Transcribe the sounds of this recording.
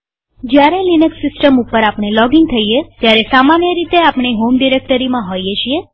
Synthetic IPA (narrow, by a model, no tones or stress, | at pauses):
d͡ʒjaɾelinəksːɪsʈəmupːəɾapɳ̃elɔɡɪŋɡt̪ʰəijet̪jaɾesamanjəɾit̪eapɳ̃iɦomɖiɾek̚ʈəɾimãɦojet͡ʃʰie